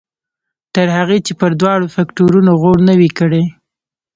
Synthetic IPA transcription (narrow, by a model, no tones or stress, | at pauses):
t̪əɾhaɣet͡ʃepəɾd̪wɑɽofakʈoɾunoɣoɽnəwikəɽe